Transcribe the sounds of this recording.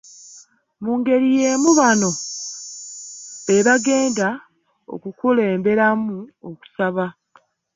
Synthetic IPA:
muːŋɡe̞ɾije̞ːmuβano̞ | e̞βaɡe̞ːnda | o̰kukule̞ːmbe̞ɾamuoku̥saβa

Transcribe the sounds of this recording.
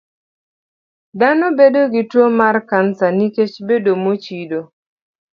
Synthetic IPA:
d̪anɔbedoɡɪtwomarkansaniket͡ʃbedomot͡ʃido

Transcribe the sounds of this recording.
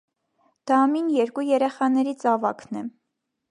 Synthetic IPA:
d̪̥ɑminjɛɾkujɛɾɛχɑnɛɾit͡sɑvɑkʰnɛ

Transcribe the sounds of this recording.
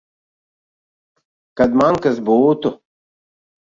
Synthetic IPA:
kɐd̪maːŋkɐsboːt̪o

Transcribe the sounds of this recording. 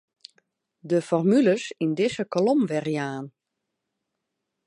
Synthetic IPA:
dəfɔrmyləsindɪsəkɔlomʋɛrijaːn

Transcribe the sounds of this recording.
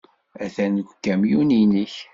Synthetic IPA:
æθænkːæmjuninəç

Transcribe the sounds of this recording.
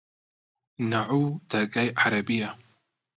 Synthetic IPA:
naʕud̪̥ɐɾɡajʔaɾɐbija

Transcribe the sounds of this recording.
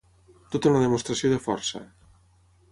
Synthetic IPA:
t̪ot̪unaðemost̪ɾasjoðefɔɾsa̰

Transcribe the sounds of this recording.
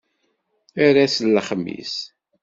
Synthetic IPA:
aɾaslːəχmːḭs

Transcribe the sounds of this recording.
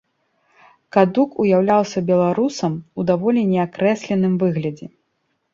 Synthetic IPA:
kad̪ukujawlʲawsʲɐbʲɛlˠaɾusɐmud̪avɔlʲinʲɛakɾɛsʲlʲɛn̪ɨmvɨɣlʲɐd͡zʲɛ

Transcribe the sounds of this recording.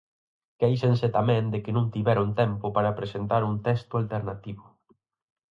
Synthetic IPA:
kejʃenset̪amɛ̃nd̪ɪkɪnũŋt̪iβɛɾont̪ɛmpʊpaɾapɾesent̪aɾunt̪ɛst̪ʊalt̪eɾnat̪iβʊ

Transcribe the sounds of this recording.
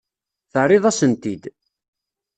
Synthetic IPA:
θəʕɾˤɪðˤæsənt̪id̪

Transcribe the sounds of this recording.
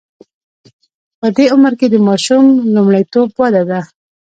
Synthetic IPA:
pəd̪eʊməɾked̪əmɑʃumlumɽajt̪obwad̪ad̪a

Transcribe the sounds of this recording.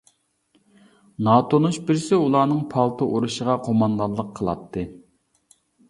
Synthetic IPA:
nɑːt̪ʰonuʃbɪɾsɪulˠɑːnɨŋpʰɑlˠt̪ʰɨʔuɾuʃəʁɑqʰomɑnd̪ɑlˠːəqʰəlˠɑ̰t̪ʰːɨ

